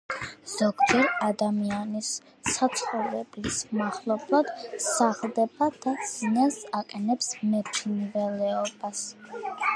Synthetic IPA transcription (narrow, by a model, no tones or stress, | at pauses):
z̥ɔɡd͡ʒɛɾad̪amianisː | at̪sʰχɔlɛblismaχlˠɔblˠad̪̥saχlˠd̪ɛbad̪̥az̥inasaqʼɛnɛpsmɛt̪ʰnvɛlɛɔbas